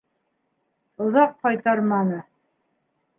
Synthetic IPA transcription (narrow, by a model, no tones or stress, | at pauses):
ŏðɑq̚qɑjt̪ɑɾmɑnɤ